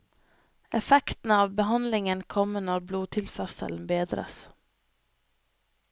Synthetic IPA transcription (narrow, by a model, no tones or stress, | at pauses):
ɛfɛkt̪n̩əɑːʋbəhɑnlɪŋənkʰɔmənɔɾbluːt̪ʰɪlfœɾsə̰ln̩beːd̪ɾə̰s